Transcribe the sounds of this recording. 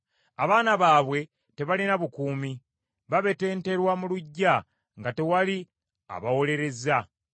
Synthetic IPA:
aβaːnaβaːβwe̞ | te̞βalinaβukuːmi | βaβe̞te̞ːnte̞ɾwamuluɟːa | ŋɡate̞wali | a̰βawo̞le̞ɾe̞za

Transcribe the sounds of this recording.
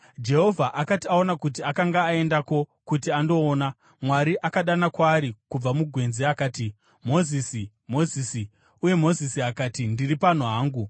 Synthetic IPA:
d͡ʒe̞ɦo̞vʱaʔakatiao̞nakut̬iakaŋɡaːe̞ndako̞kut̬iando̞ːna | mwaɾiʔakaɗanakwaːɾikub͡vamuɡʱwe̞nze̞akaːti | mo̞zisi | mo̞zisi | uje̞mo̞zisiakaːtindiripan̤uɦaːŋɡu

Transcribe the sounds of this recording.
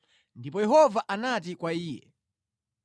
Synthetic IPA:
ndipɔjɛɦɔvaʔanat̬ikwaiːjɛ̰

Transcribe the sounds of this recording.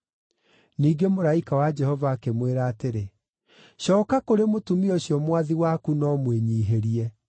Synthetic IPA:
niːɡemoɾaikawad͡ʒɛhɔvaːkemweɾaːteɾe | ɕɔːkakoɾemotumioɕjɔmwaðiwakunɔmweɲiːɦeɾiɛ

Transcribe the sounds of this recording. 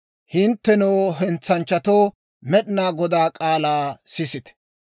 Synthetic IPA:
hɪnt̪ːɛnoːɦɛnt͡sːɐnt͡ʃːɐt̪oː | mɛɗɪnaːɡɔd̪aːkʼaːlaːsɪsɪt̪ɛ̥

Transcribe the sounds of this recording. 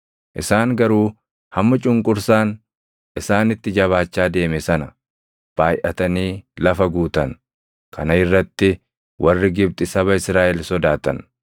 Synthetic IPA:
ʔɪsaːŋɡɐɾuː | hɐmːɐt͡ʃʼʊŋkʼʊɾsaːn | ʔɪsaːnɪt̪ːɪd͡ʒɐβaːt͡ʃːaːd̪e̞ːmɛsɐnɐ | b̥aːjʔɐt̪ɐniːlɐfɐɡuːt̪ɐn | kʰɐnɐɪrːɐt̪ːɪ | wʔɐrːɪɡɪb̚t̪ʼɪsɐβɐɪsɾaːʔɛlsɔd̪aːt̪ɐ̰n

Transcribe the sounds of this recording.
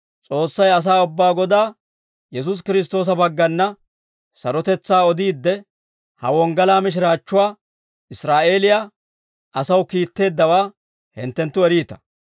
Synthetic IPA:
t͡sʼo̞ːsːɐjɐs̬aːʊbːaːɡɔd̪aː | jɛs̬ʊs̬kɪɾɪs̬t̪o̞ːs̬ɐbɐɡːɐnːɐ | sɐɾɔt̪ɛt͡sːaːɔd̪iːd̪ːɛ | hɐ̰wɔŋɡɐlaːmɪʃ̬ɪɾaːt͡ʃːʊwaː | ɪsɾaːʔe̞ːlɪjaː | ʔɐsɐwkiːt̪ːe̞ːd̪ːɐwaː | hɪ̰nt̪ːɛnt̪ːʊɛɾiːt̪ɐ̥

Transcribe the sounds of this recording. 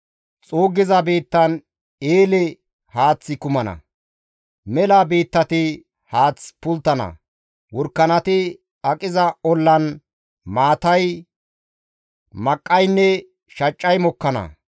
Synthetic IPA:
t͡sʼoːɡɪzɐbeːt̪ːɐn | eːlɛ | haːt͡sːɪkʊmɐnɐ̰ | mɛlɐbeːt̪ːɐt̪ɪ | haːt͡sːpʊlt̪ːɐnɐ̰ | wɔɾkːɐnɐt̪ɪ | ɐkʼɪzɐɔlːɐn | maːt̪ɐj | mɐkʼːɐjnːɛ | ʃɐt͡ʃʼːɐjmɔkːɐnɐ̰

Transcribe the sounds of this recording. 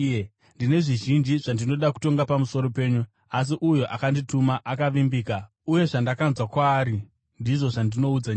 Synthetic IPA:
ndine̞ʐiʒind͡ʒiʐ̥andino̞ɗaku̥to̞ŋɡapamuso̞ɾo̞pe̞ːɲu | as̬iʔujoʔakanditumaʔakaʋimbiːka | uje̞ʐandakanzwakwaːɾi | ndiʐo̞ʐandino̞ud͡zaɲa

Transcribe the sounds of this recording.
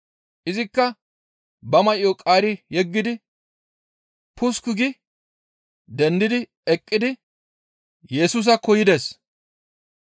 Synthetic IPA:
ʔɪzɪkːɐ | bɐmɐjokʼaːɾɪjɛɡːɪd̪ɪ | pʰʊskʊɡɪ | d̪ɛnd̪ɪd̪ɪ | ɛkʼːɪd̪ɪ | jɛsuːs̬ɐkɔjɪd̪es

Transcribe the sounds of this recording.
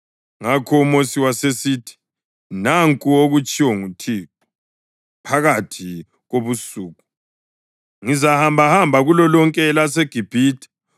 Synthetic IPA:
ŋakʰɔumosiwasesiːtʰi̥ | naŋkʼuoɣut͡ʃʼiwɔŋutʰiǁu | pʰaɣatʰi | ɣoβusuːɣu | ŋizahambʱahambʱaɣulɔlɔŋkʼɛlaseɡ̥ʱib̥ʱiːtʰʼi̥

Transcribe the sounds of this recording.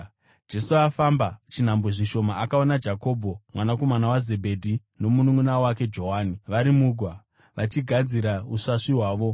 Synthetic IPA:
d͡ʒe̞suafambat͡ʃin̤amboʐiʃo̞maʔakaonad͡ʒako̞ːbʱo̞mwanako̞manawaze̞bʱe̞dʱi | nomunuŋunawake̞d͡ʒo̞ɦaːniʋaɾimuːɡʱwa | ʋat͡ʃiɡʱad͡ziɾauʂaʂiɦwaːʋo̞

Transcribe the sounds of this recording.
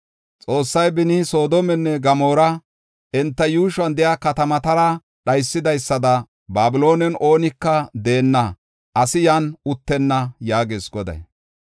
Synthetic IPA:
t͡sʼo̞ːsːɐjbɪnɪso̞ːd̪ɔmɛnːɛɡɐmo̞ːɾɐ | ʔɛnt̪ːɐjuːʃwɐnd̪ɛjakɐt̪ɐmɐt̪ɐɾɐ | ɗɐjsːɪd̪ɐjsːɐd̪ɐ | baːbɪlo̞ːnɛnʔo̞ːnɪkːɐd̪e̞ːnːɐ | ɐsɪjɐnʊt̪ːɛnːɐjaːɡeːsɡɔd̪ɐ̰j

